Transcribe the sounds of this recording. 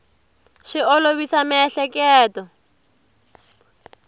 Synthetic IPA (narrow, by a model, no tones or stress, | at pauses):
ʃɪɔloβisamɪɛɬɛkʼɛːtɔ